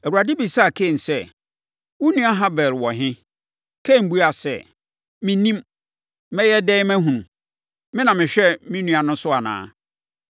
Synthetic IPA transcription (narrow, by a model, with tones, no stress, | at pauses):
ɛ˨u˨ɾa˨dɪ˦bi˨sa˦˨kʰẽ˦˨n˨sɛ˦ | wu˦nũ˦a˦ɦã˦bɛ˨lwɔ˨ɦɪ̃˦ | kʰẽ˦˨m̩˨bu˦a˨sɛ̰˦˨ | mɪ̃˦nĩ˦m | mɛ̃˦jɛ˦dɛ˦mæ̃˦ɦũ˨nũ˨ | mɪ̃˦nã˨mɪ̃˨ɕᶣɛ˦mɪ̃˦nũ˦a˨nʊ̃˦sʊ˦a˨nã̰ː˦